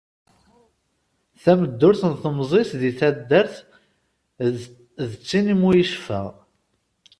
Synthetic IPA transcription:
θæməd̪ːʊɾθənθəmzˤesðiθæd̪ːəɾθ | ðət͡sːinimujiʃfæ̰

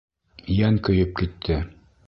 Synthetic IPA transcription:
jæŋkɵ̆jɵp̚kit̪ʰːɘ

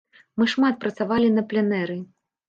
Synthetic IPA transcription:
mɨʂmat̪̚pɾɐt̪savalʲinɐplʲɛnɛɾɨ

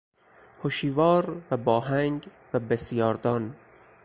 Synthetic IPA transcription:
hoʃiːvɒːɾvæbɒːɦæŋɡ | væbesjɒːɾd̪ɒːn

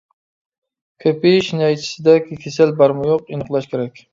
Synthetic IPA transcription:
kʲʰøpiʃinɑjt͡ʃʰi̥sɪd̪ɛkʲʰikʲʰesælbɑɾmʊjoqinəqlˠɑʃkʲeɾɛkʲ

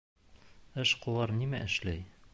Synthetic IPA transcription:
ɘʃqŏlˠɑɾnimæʔɘ̆ʃlæj

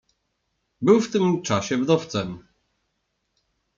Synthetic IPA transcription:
bɘwft̪ɘmt͡ʂaɕɛvd̪ɔft̪sɛm

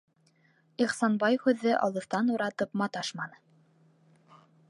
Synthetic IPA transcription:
iχsɑnbɑjhʉðːɘʔɑ̰lˠɤ̆θt̪ɑnuɾɑt̪ɤpmɑt̪ɑʃmɑnɤ

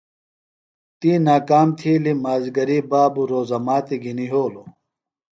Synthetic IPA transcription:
t̪iːnaːkaːmt̪ʰiːlimaːzɡɐɾibaːbuɾoːzɐmaːt̪iɡʱiniɦoːlo

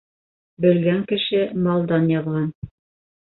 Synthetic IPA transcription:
bɘ̆lɡæŋkɘ̆ʃɘmɑlˠd̪ɑnjɑðʁɑn

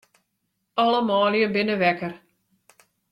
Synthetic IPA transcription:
ɑləmaːljəbɪnəʋɛkər

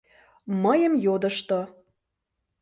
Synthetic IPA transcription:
məjə̆mjod̪ə̆ʃt̪o

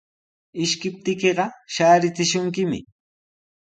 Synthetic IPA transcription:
ɪʃkɪp̚t̪ɪkeɢɑʃaːɾɪt͡sɪʃʊŋkɪmɪ̰

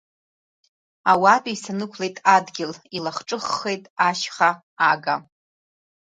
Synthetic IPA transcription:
awapʼiisanɨkʷʰle̞jtʼadɡʲɪlilaχʈ͡ʂʼɨχːe̞jtʼaʃχa | aɡa

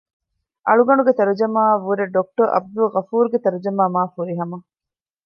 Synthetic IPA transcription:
ʔɐɭuɡɐɳuɡet̪ɐɾud͡ʒɐmaːʋuɾeɖok̚ʈoɾʔɐ̰b̚d̪uʁɐfuːɾɡet̪ɐɾud͡ʒɐmaːmaːfuɾiɦɐmɐ

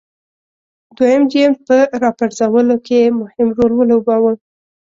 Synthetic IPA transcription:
d̪wajəmd͡ʒempəɾɑpaɾzawəlokʰemʊhɪmɾolwəlobɑwə

